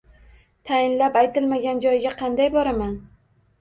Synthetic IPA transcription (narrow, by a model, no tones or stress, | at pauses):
t̪ʰajɪnlapajt̪ʰɪlmaɡʲand͡ʒɒjɡʲaqʰɑnd̪ajbɒɾaman